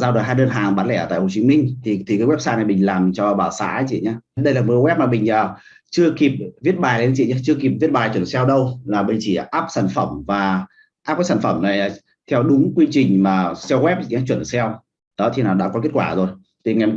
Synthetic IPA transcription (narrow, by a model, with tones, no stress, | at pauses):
zaː˧wɗo˨˩jɦaː˧jɗəː˧nɦaː˨˩ŋɓaː˨˦nlɛ˧˩ə˨˩t̪a̰ː˧˨ho˨˩t͡ɕi˨˦mï˧ŋ̟t̪ʰi˨˩t̪ʰi˨˩ka˨˦wɛ˦˥p̚saː˧na˨˩jɓï˨˩ŋ̟laː˨˩mt͡ɕɔ˧ɓaː˧˩wsa̰ː˧˥˨t͡ɕḭ˧˨ɲaː˧ɗə˧jlaː˨˩mo˨˩˦wɛ˦˥p̚maː˨˩ɓï˨˩ŋ̟ʔəː˨˩ | t͡ɕɨ˧əki˨˩p̚vi˦˥ət̚ɓaː˨˩jle˨˦nt͡ɕḭ˧˨ɲaː˧˦t͡ɕɨ˧əki˨˩p̚vi˦˥t̚ɓaː˨˩jt͡ɕwə˧˩nsɛ˧wɗə˧wlaː˨˩ɓï˨˩ŋ̟t͡ɕi˧˩˨ʔaː˦˥p̚saː˧˩nfə˧˩mvaː˨˩ | ʔaː˦˥p̚aː˨˦saː˧˩fə˧˩mna˨˩jaː˨˩ | t̪ʰɛ˧wɗʊ˨˦ŋ͡mkwi˧t͡ɕï˨˩ŋ̟maː˨˩sɛ˧wɣwɛ˦˥p̚t͡ɕḭ˧˨ɲaː˧˥t͡ɕwə˧˩nsɛ˧w | ɗɔ˨˦t̪ʰi˨naː˨˩wɗa̰ː˧˥kɔ˨˦ke˦˥t̚kwaː˧˩zo˨˩j | t̪ʰi˨˩ŋa˨˩m